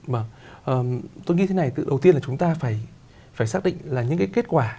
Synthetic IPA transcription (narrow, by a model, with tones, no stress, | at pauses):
vəː˧˩ | ʔəː˨˩t̪o˧jɲi˧e˨˦na˨˩jt̪ɨ̰˧˨ɗə˨˩wt̪i˧ənlaː˨˩t͡ɕʊ˨˦ŋ͡mt̪aː˧faː˧˩j | faː˧˩jsaː˦˥k̚ɗḭ˧˨ŋ̟laː˨˩ɲɨ̰˧˥ŋkaː˨˦jke˦˥t̚kwaː˧˩